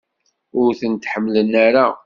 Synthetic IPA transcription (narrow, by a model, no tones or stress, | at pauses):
ʊɾθənt̪ħəmːlənːæɾa